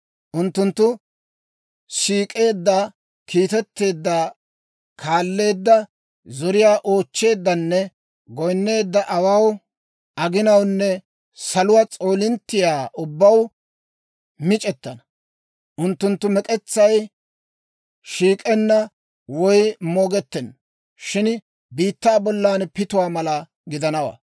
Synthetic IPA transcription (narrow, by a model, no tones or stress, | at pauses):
ʔʊnt̪ːʊnt̪ːʊ | ʃiːkʼe̞ːd̪ːɐ | kiːt̪ɛt̪ːe̞ːd̪ːa | kʰaːlːe̞ːd̪ːɐ | zɔɾɪjaːʔoːt͡ʃːe̞ːd̪ːɐnːɛ | ɡɔjnːe̞ːd̪ːɐʔɐwɐw | ʔɐɡɪnɐwnːɛ | sɐlʊwat͡sʼo̞ːlɪnt̪ːɪjaːʔʊbːɐw | mɪt͡ʃʼɛt̪ːɐnɐ | ʔʊnt̪ːʊnt̪ːʊmɛkʼɛt͡sːɐj | ʃiːkʼɛnːɐ | wɔjmoːɡɛt̪ːɛn | ʃɪn | biːt̪ːaːbɔlːaːnpɪt̪ʊwaːmɐlɐ | ɡɪd̪ɐnɐwa̰